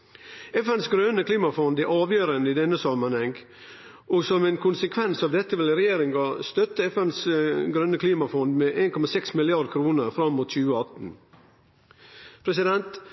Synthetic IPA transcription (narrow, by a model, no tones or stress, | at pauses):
ɛfɛnsɡɾøːnəkʰliːmɑfɔnd̪æɾʔɑːʋjøːɾənəɪd̪ɛnːəsɑmːənhɛŋɡ | ʔɔsɔmeːnkʰʊnsəkʰʋɛnsɑːʋd̪ɛt̪ːəʋɪlɾɛjeːɾɪŋɡɑst̪œt̪ːəɛfɛnsɡɾønəkʰliːmɑfɔnd̪meʔeːnkɔmɑsɛksmɪlɪɑɾd̪kʰɾuːnəɾfɾɑmːuːt̪çʉːəɑt̪n̩ | pʰɾɛsɪd̪ɛnt̪